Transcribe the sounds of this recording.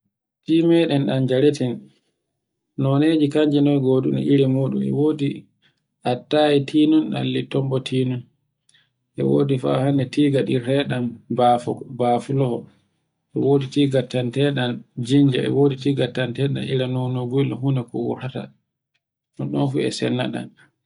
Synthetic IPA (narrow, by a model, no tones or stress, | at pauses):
timɛɗɛnɗand͡ʒaɾɛtɛn | nɔneːd͡ʒikaɲd͡ʒɛnɔjɡoɗunḭʔiɾimuːɗṵmɛ̰woːdi | ʔatːaitʰiːnunɗa̰lːitɔmbɔtʰiːnun | ʔɛ̰woːdifa̰hanɛtiːɡaɗiɾɛɗambafɔbafulɔhɔ | ʔɛwoːditiːɡatːantɛɗand͡ʒiɲd͡ʒa̰ɛ̰woːditiːɡatːantɛɗa̰niɾanɔnɔɡulɔɦunɛkɔwɔ̰ɾata̰ | nɔɗɔnfuɛ̰sɛ̰nːa̰ɗa̰n